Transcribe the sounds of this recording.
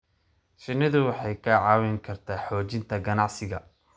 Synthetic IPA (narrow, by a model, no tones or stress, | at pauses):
ʃɪnːɪðʊwɑħɑjkʰɐʕɑːwɛŋkʰɐrt̪ʰaːħɔːt͡ʃɪnt̪ʰɐɡɐnɑʕsɪɣɐ̰